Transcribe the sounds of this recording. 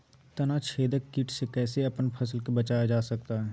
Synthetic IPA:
t̪ɐnat͡ʃʰeːd̪əkːiʈsekɛːseɐpənpʰɐsəlkebɐt͡ʃaːjad͡ʒaːsɐk̚t̪aɦɛː

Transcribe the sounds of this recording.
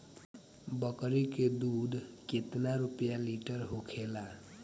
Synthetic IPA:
bəkɾiked̪ud̪ʱket̪naɾupjaliʈəɾɦukʰela

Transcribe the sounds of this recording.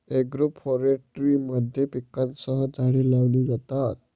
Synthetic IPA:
eɡɾopʰɔɾeʈɾiməd̪ʱjepikːansəɦəd͡zʱaɽiːlaʋliːjɛt̪at̪̚

